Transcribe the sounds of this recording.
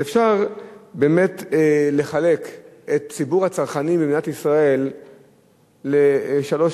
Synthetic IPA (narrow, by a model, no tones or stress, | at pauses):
efʃaʁbeːme̞tle̞χale̞k | et̚t͡sibuʁhat͡saʁχanibemiatisʁae̞l | eʃalo̞ʃ